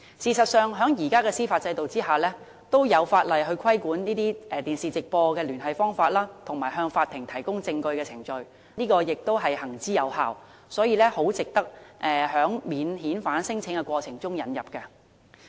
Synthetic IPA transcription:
siː˨˩sɐ˨t̚sœː˨˧ŋɦœː˨˥ŋjiː˨˩kaː˥kɛː˧siː˥faː˧t̚t͡sɐ˧jt̪o˨wt͡siː˥haː˨˩lɛː˥ | t̪o˥wjɐ˨˧wfaː˧t̚lɐ˨jɦɵ˧ɥkʰɐ˥jkuː˨˥nniː˥t̪iː˥ʔɛː˨t̪iː˨˩nsiː˨˩t͡sɪ˨k̚pɔː˧kɛː˧lyː˨˩nɦɐ˨jfɔː˥ŋfaː˧t̚laː˥t̪ʰʊ˨˩ŋmaː˨˩ɦœː˧ŋfaː˧t̪ʰːɪ˨˩ŋt̪ʰɐ˨˩jkʊ˥ŋt͡sɪ˧ŋkɵ˧ɥkɛː˧t͡sʰɪ˨˩ŋt͡ʃɵ˧ɥ | niː˥kɔː˧jɪ˨k̚t̪o˥wɦɐ˨jhɐ˨˩ŋt͡siː˥jɐ˨˧wha̰ː˨˩w | sɔː˨˥jiː˨˧lɛː˥ho˨˥wt͡sɪ˨k̚t̪ɐ˥k̚ʔɛː˨˩hœː˨˥ŋmiː˨˧nɦiː˨˥nfaː˨˥nsɪ˥ŋt͡sʰɪ˨˥ŋkɛ˧kʷɔː˧t͡sʰɪ˨˩ŋt͡sʊ˥ŋjɐ˨˥njɐ˨p̚kɛ˧

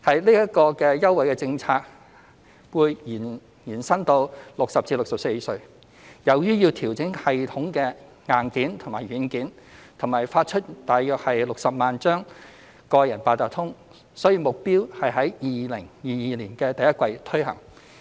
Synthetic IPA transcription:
hɐ˨jliː˥jɐ˥t̚kɔː˧kɛː˧jɐ˥wɐ˨jkɛː˧t͡sɪ˧ŋt͡sʰaː˧k̚ | wuː˧jjiː˨˩n | jiː˨˩nsɐ˥nt̪o˧wlʊ˨k̚sɐ˨p̚t͡siː˧lʊ˨k̚sɐ˨p̚se˧jsɵ˧ɥ | jɐ˨wjyː˥jiː˧wt̪ʰiː˨˩wt͡sɪ˨˥ŋhɐ˨jt̪ʰʊ˨˥ŋkɛː˧ | ŋaː˨nkiː˨˥nt̪ʰʊ˨˩ŋmaː˨˩jɥyː˨˥nkiː˨˥n | t̪ʰʊ˨˩ŋmaː˨˩jfaː˧t̚t͡ʃʰɵ˥t̚t̪aː˨jːœː˨k̚hɐ˨jlʊ˨k̚sɐ˨p̚maː˨nt͡ʃœː˥ŋ | kɔː˧jɐ˨˩npaː˧t̪aː˨˩t̪ʰʊ˥ŋ | sɔː˨˥jiː˧mʊ˨k̚piː˥whɐ˨jɦɐ˨˥jjiː˨lɪ˨˩ŋjiː˨jiː˨˧liː˨˩nkɛː˧t̪ɐ˨jɐ˥t̚kwɐ˧jt̪ʰɵ˥hɐ̰˨˩ŋ

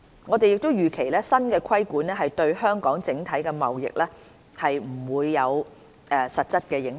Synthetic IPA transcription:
ŋɔː˨˧t̪e˨jɪ˨k̚t̪o˥wjyː˨˩kʰe˨˩jlɛː˥sɐ˥nkɛː˧kʰɐ˥jkuː˨˥nlɛː˥ɦɐ˨jt̪ɵ˧ɥhœː˥ŋkɔː˨˥ŋt͡sɪ˨˥ŋt̪ʰɐ˨˥jkɛː˧mɐ̰˨wjɪ̰˨k̚lɛː˥ | hɐ˨jm̩˨˩wuː˨˧jːɐ˨˧w | ɛ˨˧sɐ˨t̚t͡sɐ˥t̚kɛː˧jɪ˨˥ŋ

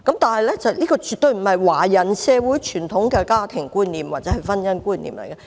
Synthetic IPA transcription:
kɐ˨˥mt̪aː˨nhɐ˨jlɛ˥t͡sɐ˨wniː˥kɔː˧t͡ʃyː˨˧t̪̚ɥm̩˨˩hɐ˨jwaː˨˩jɐ˨˩nsɛː˧wuː˨˥jt͡ʃʰyː˨˩nt̪ʰʊ˨˥ŋkɛː˧kaː˥t̪ʰɪ˨˩ŋkuː˥nniː˨mwaː˨t̚t͡sɛː˨˥ɦɐ˨jfɐ˥njɐ˥nkuː˥nlḭː˨˩mlɐ̰˨˩jkɐ˧

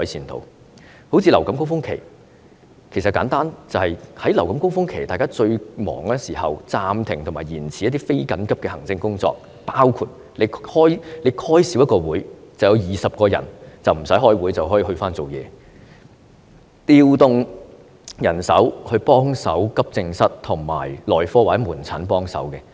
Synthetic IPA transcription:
ɔ˨˥jsʰiː˧nt̪ʰo̰˨˥w | ho˨˥wt͡sʰiː˧lɐ˨˩wkɐ˨˥mkʊ˥ŋfʊ˥ŋkʰe˨˩j | kʰe˨˩js̬ɐ˨t̚kaː˨˥nt̪aː˥nt͡sɐ˨whɐ˨jhɐ˨˥jlɐ˨˩wkɐ˨˥mkʊ˥ŋfʊ˥ŋkʰe˨˩jt̪aː˨jkaː˥t͡ʃɵ˧ɥmɔ̰ː˨˩ŋlɛː˥siː˨˩hɐ̰˨wt͡saː˧mt̪ʰɪ˨˩ŋt̪ʰʊ˨˩maː˨˩jiː˨˩nt͡sʰiː˨jɐt̪i˥fe˥jkɐ˨˥nkɐ˥p̚kɛː˧hɐ˨˩ŋt͡sɪ˧ŋkʊ˥ŋt͡sɔ̰ː˧k̚ | paː˥wkʰu˧t̚ | le˨˧jhɔː˥jle˨˧jkʰɔː˥jsiː˨˥wjɐ˥t̚kɔː˧wuː˨˥jt͡sɐ˨˩wjɐ˧wjiː˨sɐ˨p̚kɔː˧jɐ̰˨˩nt͡sɐ˨wm̩˨˩sɐ˨˥jhɔː˥jwu˨˥jt͡sɐ˨whɔ˨˥ji˨˩hɵ˧ɥfaː˥nt͡so˨wjɛ̰ː˨˧ | t̪iː˧wt̪ʊ˨˧ŋ | jɐ˨˩nsɐ̰˨˥whɵ˧ɥpɔː˥ŋsɐ̰˨˥wkɐ˥p̚t͡sɪ˧ŋsɐ˥t̚t̪ʰʊ˨˩ŋma̰ː˨˩jlɔː˨jfɔː˥wa˨˩t͡sɛ˨˧˥muː˨˩nt͡sʰaː˨˥npɔː˥ŋsɐ̰˨˥wkɛ˧

